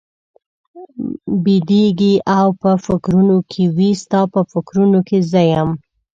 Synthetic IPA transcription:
bid̪eɡiʔawpəfɪkɾunokʰewist̪ɑpəfɪkɾunokezəjəm

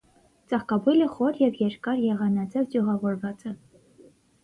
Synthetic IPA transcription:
t͡sɑχkɑbujləχɔɾjɛvjɛɾkɑɾjɛʁɑnɑd͡zɛvdjuʁɑvɔɾvɑt͡sɛ

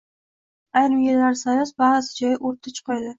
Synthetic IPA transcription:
ajɾɪmjelaɾsanɪsbaɾasɪ̥d͡ʒɒjʔoɾt̪ʰɪt͡ʃʰqʰɒjd̪ɪ

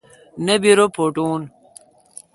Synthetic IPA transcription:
nɐbiɾopʰoʈuːn

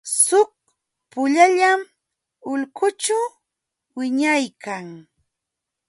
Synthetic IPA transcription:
sʊk̚ | pʊʎaʎam | ʊlkʊt͡ʃaw | wɪɲajkaŋ

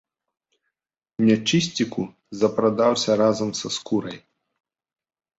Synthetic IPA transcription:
nʲɛt͡ʂɨsʲt͡sʲiku | zɐpɾad̪awsʲɐɾazɐmsɐskuɾɐj

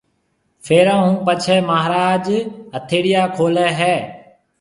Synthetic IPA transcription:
fʰeːɾãːɦũːpət͡ʃʰɛːməɦɾaːd͡ʒɦət̪ʰeːɽɪjaːkʰoːlɛːɦɛː

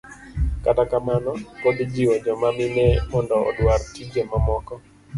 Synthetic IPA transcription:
katakamanɔkod̪d͡ʒiwɔd͡ʒɔmamɪnɛmɔndɔɔ̰dwaɾtid͡ʒemamɔkɔ

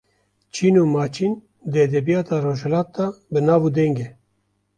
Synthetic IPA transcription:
t͡ʃʰiːnuːmɑːt͡ʃʰiːn | d̪eːd̪ɛbijɑːt̪ʰaːɾoːʒhɛlɑːt̪̚d̪ɑːbɨnɑːvuːd̪ɛŋɡeː

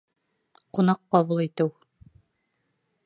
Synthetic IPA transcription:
qunɑqːɑβulˠit̪ɘw

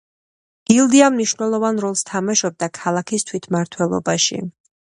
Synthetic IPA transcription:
ɡ̥ilˠd̪iamniʃvnɛlˠɔvanɾɔlˠst̪ʰamaʃɔb̚d̪akʰalˠakʰist̪ʰwit̪ʰmaɾt̪ʰwɛlˠɔ̰baʃḭ

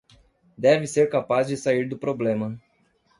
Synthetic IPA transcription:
d̪ɛvɪseɾkapazd͡ʒɪsaiɾd̪ʊpɾoblẽmɐ

